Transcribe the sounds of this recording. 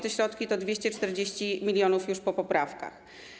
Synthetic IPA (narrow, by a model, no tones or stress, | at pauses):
t̪ɛɕɾɔt̪kʲit̪ɔd̪vʲjeɕt͡ɕɛt͡ʂt̪ɛɾd͡ʑeɕt͡ɕimʲilʲjɔnufjuʂpɔpɔpɾafka̰x